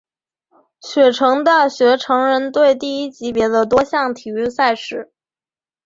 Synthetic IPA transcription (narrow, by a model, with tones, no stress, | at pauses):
ɕɥɛ˨˩ʈ͡ʂʰɤ˧˥ŋd̪ə˥˧˩ɕɥɛ˧˥ʈ͡ʂʰɤ˧˥ŋɻə˧˥nt̪we˥˧ɪt̪i˥˧i˥t͡ɕi˧˥pjɛ˧˥d̪ə˧t̪̬wɔ˥ɕjɑ˥˩ŋt̪ʰi˨˩y˥˧sa˥˧ɪʂɻ̩˨˩˦